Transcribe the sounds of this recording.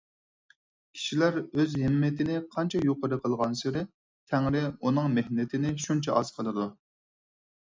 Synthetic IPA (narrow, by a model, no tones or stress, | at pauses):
kʲʰi̥ʃilæɾøzɦɪmːɪt̪ʰɪnɪqʰɑnt͡ʃʰɑjoqəɾɨqʰəlˠʁɑnsɪɾɪ | t̪ʰæŋɾɪunɨŋmehnɪt̪ʰɪnɪʃunt͡ʃʰɑʔɑz̥qʰəlˠɨd̪u